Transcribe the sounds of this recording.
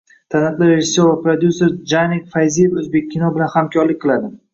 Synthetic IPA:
t̪ʰanat̪lˠaɾeʒɪsːoɾvapɾad̪juseɾd͡ʒanikʲfajzijfɵzbek̚ʲʰːɪnɒbɪlanhamkʲʰɒɾlɪkʲqʰɨlˠad̪ɪ

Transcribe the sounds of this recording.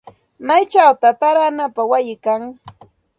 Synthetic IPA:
majt͡ʃawt̪at̪aɾanapawajɪkaŋ

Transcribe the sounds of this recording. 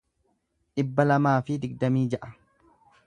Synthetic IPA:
ᶑɪbːɐlɐmaːfɪd̪ɪɡ̚d̪ɐmiːd͡ʒɐʔɐ

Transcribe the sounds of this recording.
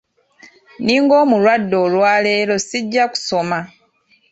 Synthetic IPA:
niːŋɡo̞ːmulwadːo̞lwaːle̞ːɾo̞siɟːaku̥so̞ma

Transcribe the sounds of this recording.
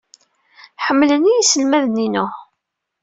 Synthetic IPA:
ħəmːlənːijisəlmæðnːinʊ

